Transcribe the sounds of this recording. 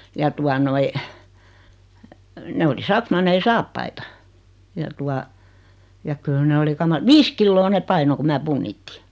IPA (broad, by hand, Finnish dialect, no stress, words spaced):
jɑ tuɑ noi ne oli sɑksmɑnːei sɑːpːɑitɑ jɑ tuɑ jɑ kyl ne oli kɑmɑ ʋiːs kilːoː nep̆ pɑino ku mæː punːitːi